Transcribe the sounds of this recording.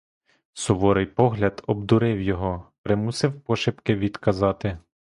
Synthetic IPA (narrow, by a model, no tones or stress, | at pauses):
sɔʋɔɾɪjpɔɦlʲɐd̪ɔbd̪ʊɾɪwjɔɦɔpɾɪmusɪwpɔʃɪpkɪʋʲid̪kɐzɑt̪ɪ